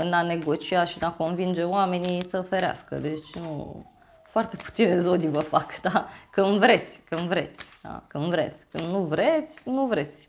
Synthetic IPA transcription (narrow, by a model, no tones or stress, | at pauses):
ɨnane̞ɡo̞t͡ʃiaʃinako̞nvind͡ʒe̞oame̞nisəfeɾea̰skə̰d̪e̞t͡ʃʲnṵ | foart̪e̞pu̥t̪sine̞zod̪ivəfakd̪akɨnvɾe̞t̪sʲkɨnvɾe̞̰t̪sʲa̰kɨnvɾe̞̰t̪sʲkɨnd̪nuvɾet̪sʲnuvɾe̞t̪sʲ